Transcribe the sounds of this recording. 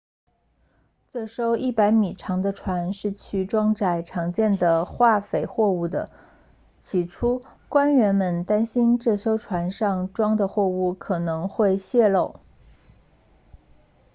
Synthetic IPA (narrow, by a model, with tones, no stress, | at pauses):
t͡sɤ˥˩ʂo˥ʊʔi˥˩pa˧˥ɪmi˨˩ʈ͡ʂʰɑ˧˥ŋd̪ə˧ʈ͡ʂʰwa˧˥nʂɻ̩˥˧t͡ɕʰy˥˩ʈ͡ʂwɑ˥ŋʈ͡ʂa˨˩ɪʈ͡ʂʰɑ˧˥ŋt͡ɕjɛ˥˩nd̪ə˩xwa˥˩fe˨˩ɪxwɔ˥˧u˥˩d̪ə̰˩ | t͡ɕʰi˧˥ʈ͡ʂʰu˥kwa˥nɥɛ˧˥nmə˧nt̪a˥nɕi˥nʈ͡ʂɤ˥˩ʂo˥ʊʈ͡ʂʰwa˧˥nʂɑ˥˧ŋʈ͡ʂwɑ˥ŋd̪ə˨xwɔ˥˧u˥˩kʰɤ˨˩nɤ˧˥ŋxwe˥˧ɪɕjɛ˥˧lo˥˩ʊ